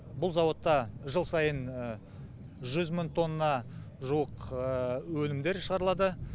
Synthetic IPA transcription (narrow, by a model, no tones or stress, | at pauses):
bʊlˠzɑwo̞t̪ːɑʒəlˠsɑjən | ʒʏzməŋt̪ʰːo̞nːɑʒuwəq | wɵlɪmd̪e̞ɾʃəʁɑɾəlˠɑd̪ə